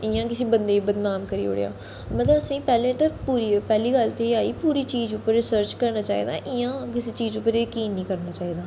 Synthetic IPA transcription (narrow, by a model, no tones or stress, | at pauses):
ɪjãːkɪseːbənd̪eːiːbəd̪naːmkəɾḭːo̰ːɽḛja̰ː | mət̪ləbəsĩːpɛːlẽːt̪əpuːɾipɛːliːɡəlt̪eːaːiːpuːɾiːt͡ʃiːzʊpːəɾːɪsəɾt͡ʃkəɾnaːt͡ʃaːḭːd̪a̰ːʔɪjãːkɪseːt͡ʃiːzʊpːəɾeːkiːnːĩːkəɾnaːt͡ʃaːiːd̪aː